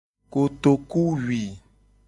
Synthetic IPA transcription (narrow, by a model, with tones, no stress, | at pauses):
ko˨t̪o˨ku˦wi˨